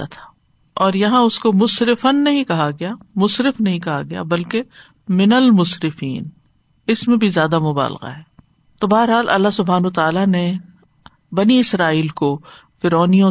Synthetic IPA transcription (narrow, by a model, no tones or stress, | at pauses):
at̪ʰḁː | ɔːɾjɐɦãʊskomʊsɾɪfənːɐɦĩkɐɦaɡɐjaːmʊsɾɪfnɐɦĩkɐɦaɡɐja̰bɐlke | mɪnəlmʊsɾɪfḭːn | ɪsmẽbʱizjaːd̪amʊba̰ːlqa̰ɦɛː | t̪obɐɦəɾɦaːlʔɐ̰lːaɦsʊbʱaːnːt̪aːlane | bɐniɪsɾaːiːlko | fɪɾɔːnijõ